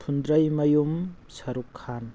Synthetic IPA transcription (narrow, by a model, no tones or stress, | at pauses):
pʰund̪ɾɐjmɐjumsɐɾukʰːan